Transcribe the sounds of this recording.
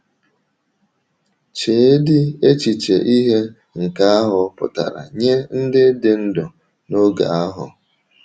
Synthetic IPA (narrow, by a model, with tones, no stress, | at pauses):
t͡ʃe˨˦dɪ˦e˦t͡ʃi˨t͡ʃḛ˨ʔi˦ɦe˦ | ŋ̩˨ka˦a˦ɦʊ˨pʊ̰˨ta̰˨ɾa̰˨ɲe˦n̩˦dɪ˦dɪ˨n̩˦dɔ˨ | no˦ɡa̰˨a˦ɦʊ˨